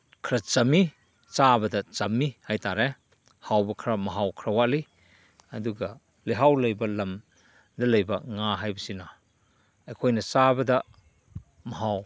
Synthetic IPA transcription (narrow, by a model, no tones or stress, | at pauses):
kʰɾɐt͡ʃɐmi | t͡ʃabɐdɐt͡ʃɐmːihajt̪aɾe | hawbɐkʰɾɐmɐɦawkʰɾɐwaʔli | ɐduɡa | liɦawlɐjbɐlɐm | d̪ɐlɐjbɐŋaɦajbɐsina | ɐjkʰojnɐt͡ʃabɐdɐ | mɐɦaw